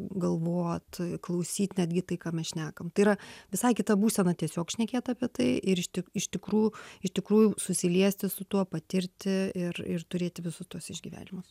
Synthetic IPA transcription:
ɡɐlˠʋoːt̪klˠɐʊsʲiːt̪ʲnʲæd̪ʲɡʲɪt̪ɐɪkɑːmʲɛsʃʲnʲæːkɐmt̪ɐɪiɾɐʋʲɪsɐɪkʲɪt̪ɐbuːsʲɛnɐt̪ʲiɛsʲoːkʃʲnʲɛkʲeːt̪ɑːpʲiɛt̪ɐɪɪɾɪʃt̪ʲɪɪʃt̪ʲɪkɾuːjʊɪʃʲt̪ʲɪkɾuːjʊsʊsʲɪlʲiɛsʲt̪ʲɪsʊt̪uɔpɐt̪ʲɪɾʲt̪ʲɪɪrɪrt̪ʊɾʲeːt̪ʲɪʋʲɪsʊst̪uɔsɪʒʲɡʲiːʋʲæ̰ːnʲɪmʊs

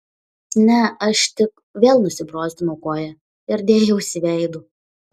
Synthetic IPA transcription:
nʲɛɐʃt̪ʲɪk | ʋʲeːlˠnʊsʲɪbɾoːsʲt̪ʲɪmoʊkoːjɛ | ɪɾd̪ʲeːjɛʊʃsʲɪʋʲɛɪd̪ʊ

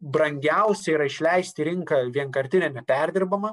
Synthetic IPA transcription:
bɾɐŋʲɡʲɛʊsʲɛiɾɐɪʃʲlʲɛɪsʲt̪ʲɪɾʲɪŋkɐʋʲiɛŋkɐɾʲt̪ʲɪnʲɛnʲɛpʲɛɾʲd̪ʲɪɾbɐmɐ

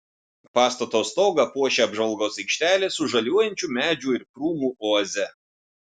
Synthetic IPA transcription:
pɑːst̪ɐt̪oːst̪ɔːɡɐpuɔʃʲeːɐbʒɐlˠɡoːsɛɪkʃʲt̪ʲæːlʲeːsʊʒɐlʲuɔjɛnʲt͡ʃʲuːmʲæːd͡ʒʲuːɪɾpɾuːmuːʔoːɐzʲɛ

